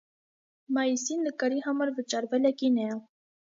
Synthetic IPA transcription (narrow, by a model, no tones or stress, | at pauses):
mɑjisinːəkɑɾiɦɑmɑɾvət͡ʃɑɾvɛlɛkinɛ